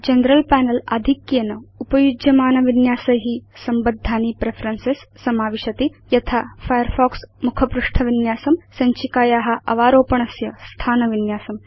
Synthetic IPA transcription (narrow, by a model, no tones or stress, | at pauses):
d͡ʒɐnɾɐlpæːnɐlɐ̰d̪ʱikjɐnɐupɐjud͡ʒjɐmaːnɐʋinjaːsɐɦisɐmbɐd̪ʱːaːnipɾepʰɐɾɐnsesːɐmaːʋiʃɐt̪ijɐt̪ʰaːfʰɐjɐɾfoːksmukʰɐpɾuʂʈʰɐʋinjaːsɐmsɐɲt͡ʃikaːjaːɦɐ̆ʔɐʋaːɾoːpɐɳɐsjɐst̪ʰaːnɐʋinjaːsɐm